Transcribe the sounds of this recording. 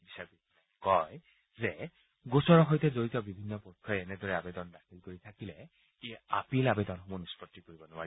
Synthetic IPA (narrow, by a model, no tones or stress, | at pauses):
bisakitʰɔnakɔj | zɛ | ɡosɔɹɔɦojtɛzoɹitɔbibʱinːɔpɔkʰːɔjɛnɛdɔɹɛabɛdɔndaxilkoɹitʰakilɛ | ijaapilabɛdɔnmunuspɔtːikoɹibɔnʊwaɹi